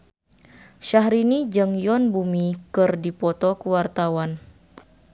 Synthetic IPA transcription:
ʃaɦɾinid͡ʒəŋjɔnbumikɨrdipɔt̪ɔkəwart̪awan

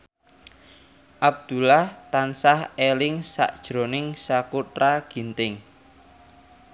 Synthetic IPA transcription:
ʔab̚d̪̥ṳlaht̪ansahelɪŋsa̰ʔd̥ʒ̥ɾo̤nɪŋsakuʈɾaɡ̥i̤nt̪ɪŋ

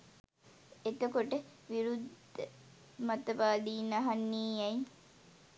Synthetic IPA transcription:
et̪əkoʈəʋiɾud̪ʱːə | mɐt̪əʋaːd̪iːnɐɦɐnːiːɐj

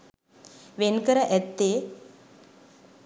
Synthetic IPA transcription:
ʋenkɐɾɐʔɛt̪ːe

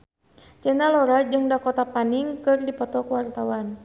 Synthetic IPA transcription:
t͡ʃɛnalɔɾad͡ʒɨŋdakɔt̪apaniŋkɨrdipɔt̪ɔkwart̪awan

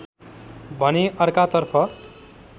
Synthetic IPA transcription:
bʱʌneʔʌrkat̪ʌrpʰʌ

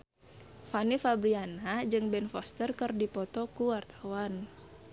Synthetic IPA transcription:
fanifabɾianad͡ʒɨŋbɛnfɔst̪ərkɨrdipɔt̪ɔkuwart̪awan

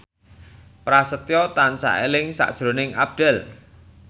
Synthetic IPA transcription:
pɾasət̪jɔt̪ansa̰ʔḛlɪŋsa̰ʔd̥ʒ̥ɾo̤nɪŋa̰b̚ɖ̪̥ɛl

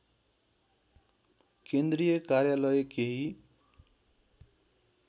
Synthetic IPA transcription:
kend̪rijʌkarjalʌjkeɦi

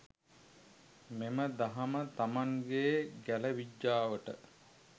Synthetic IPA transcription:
meməd̪aɦamət̪amaŋɡeːɡæləʋiɟːaːʋəʈə̰

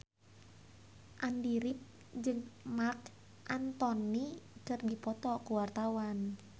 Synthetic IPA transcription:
ʔandiɾɪp̚ | d͡ʒɨŋmark | ʔant̪ɔnikərdipɔt̪ɔkuwart̪awan

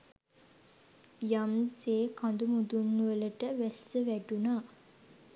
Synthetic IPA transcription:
jamseːkʰand̪umud̪unːuʋələʈəʋæsːəʋæɖunaː

